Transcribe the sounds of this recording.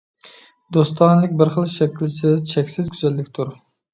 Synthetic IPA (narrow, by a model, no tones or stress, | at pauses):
d̪ost̪ʰɑnlˠɪkʲbɪɾχəlˠʃɛkʲilsɪzt͡ʃʰɛkʲsɪzkʲʰyzɛlːɪkʲt̪ʰuɾ